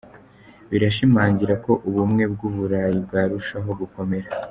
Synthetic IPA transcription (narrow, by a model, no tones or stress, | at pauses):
βiɾaʃimaːɲɟiɾako̞ʔuβumŋe̞bɡuːβuɾaːjib̚ɡaːɾuʃaɦo̞ɡuko̞me̞ɾa